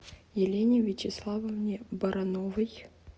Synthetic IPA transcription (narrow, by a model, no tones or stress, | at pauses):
jɪlʲenʲɪvʲɪt͡ɕɪslˠavəvnʲɪbɐɾʔɐnovəj